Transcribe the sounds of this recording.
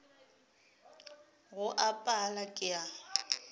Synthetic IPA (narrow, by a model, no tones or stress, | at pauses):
ɣʊʔapʼalakʼɪa